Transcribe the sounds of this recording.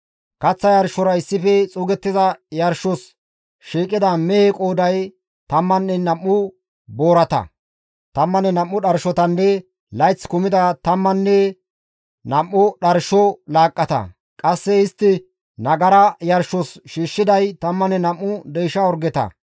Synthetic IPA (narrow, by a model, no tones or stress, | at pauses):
kɐt͡sːɐjɐɾʃɔɾɐɪsːɪfɛt͡sʼuːɡɛt̪ːɪzɐjɐɾʃɔs | ʃiːkʼːɪd̪ɐmɛhekʼoːd̪ɐj | t̪ɐmːɐnːɛnɐmːʊ | bo̞ːɾɐt̪ɐ̰ | t̪ɐmːɐnɛnɐmːʊɗɐɾʃɔt̪ɐnːɛ | lɐjt͡skʊmɪd̪ɐt̪ɐmːɐnːɛ | nɐmːʊɗɐɾʃɔlaːkʼːɐt̪ɐ̰ | kʼɐsːɛɪst̪ːɪ | nɐɡɐɾɐjɐɾʃːɔsʃiːʃːɪd̪ɐjt̪ɐmːɐnɛnɐmːʊd̪ɛjʃɐɔɾɡɛt̪ɐ̰